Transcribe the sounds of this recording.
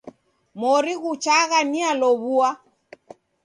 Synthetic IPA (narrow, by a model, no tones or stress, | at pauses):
mɔɾiɣut͡ʃaɣanialɔβua